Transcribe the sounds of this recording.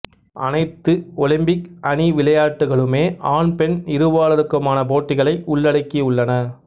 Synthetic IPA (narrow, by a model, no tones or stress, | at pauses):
ʔɐ̰nɐɪt̪ːɯɔlɪmbɪkɐniʋɪlɐjaːʈːɯɣɐɭɯmeːʔaːnpɛnɪɾɯʋaːɭɐɾɯkːɐmaːnɐp̬oːʈːɪɣɐɭɐɪʔʊɭːɐɽɐɪkːiʊɭːɐnɐ